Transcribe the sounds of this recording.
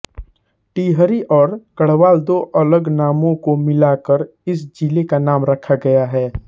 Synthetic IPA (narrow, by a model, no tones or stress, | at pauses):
ʈiːɦəɾiʔɔːɾkəɽ̤ʋaːld̪oːʔɐləɡnaːmõkomɪlakəɾ | ɪs̬d͡ʒiːlekanaːmɾɐkʰaɡɐjaɦɛː